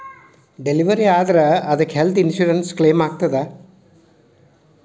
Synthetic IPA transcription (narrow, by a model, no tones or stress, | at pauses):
ɖeliʋɐɾiaːd̪ɐɾɐɐd̪ɐkːelt̪ʰinʃuːɾɐnskleːmaːɡ̚t̪ɐd̪e